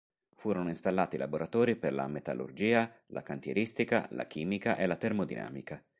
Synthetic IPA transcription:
fuːɾonoinst̪alːaːt̪ila̰boɾat̪ɔːɾiperla̰met̪a̰lṵrd͡ʒiːalʔa̰kant̪jeɾist̪ika̰la̰k̟iːmikaʔelat̪ermod̪ḭna̰ːmika

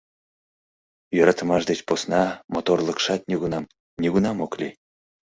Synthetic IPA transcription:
jøɾɑt̪ə̆mɑʃd̪et͡ɕposnɑmot̪orlˠɤ̆kʃɑt̪nʲiɣunɑm | nʲiɡunɑmoklʲi

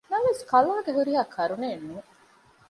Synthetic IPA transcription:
nɐʋeskɐlaːɡeɦuɾiɦaːkʰɐɾuneːnːuː

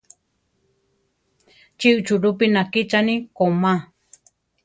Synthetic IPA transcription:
t͡ʃiʔɨt͡ʃuɾupinãkit͡ʃanĩkomã

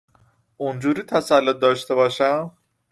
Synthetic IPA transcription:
ʔund͡ʒuːɾiːt̪ʰæsælːot̪̚d̪ɒːʃt̪e̞bɒːʃæm

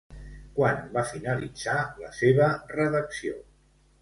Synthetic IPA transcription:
kwanbafinəlḭd͡z̥aləseβərəðəksio

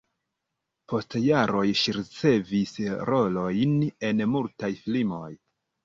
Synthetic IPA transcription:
po̞stjaɾo̞jʃiɾit͡se̞visɾo̞lo̞jne̞nmultajflimo̞j

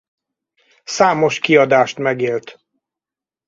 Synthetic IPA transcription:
saːmo̞ʃkiɒd̪aːʃt̪mɛɡeːlt̪

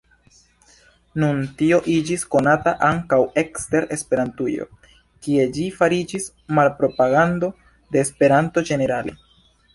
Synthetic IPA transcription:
nuntio̞ʔid͡ʒisko̞nataʔaŋkawe̞kste̞ɾe̞spe̞ɾantujo̞̰ | kie̞d͡ʒifaɾid͡ʒis | malpɾo̞paɡando̞ | de̞ːspe̞ɾanto̞d͡ʒe̞ne̞ɾale̞̰

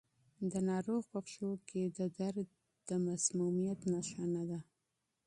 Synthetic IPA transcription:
d̪ənɑɾoɣpəxʃokʰed̪əd̪aɾ | d̪̥əmasmumijat̪naʃanad̪a

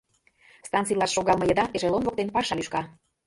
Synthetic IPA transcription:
st̪ɑnt͡sijlɑʃːoɣɑlˠmɤ̆jɤ̆d̪ɑʔeʒelˠonvok̚t̪enpɑʃɑlyʃkɑ

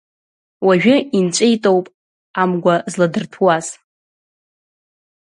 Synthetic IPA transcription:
waʒᶣʊint͡ʃʷʼejtʼowpʼ | amɡʷazladɨrtʰwaz̥

